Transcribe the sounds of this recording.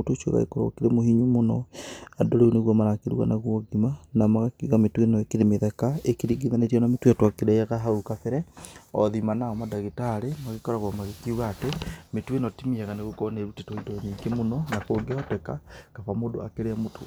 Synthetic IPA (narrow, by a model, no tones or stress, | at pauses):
otoʃwḛɣa̰ḛkoɾo̰keɾemohiɲumonɔadoɾeuneɣwamanakeɾṵɣa̰naɣwoɡimanamaɣakiɣametwenɔekeɾemeðɛkaekiɾiɡiðanetianametwatwakeɾɛjaɣaɦaukafeɾɛɔðimanaɔmadaɣitaɾemaɣekɔɾaɣwamaɣekiuɣaːtemetwenɔtimiaɣaneɣokɔneɾutetwoidoɲikemonɔnakoɡeɔtɛkakaβamodo̰a̰keɾeamotʰo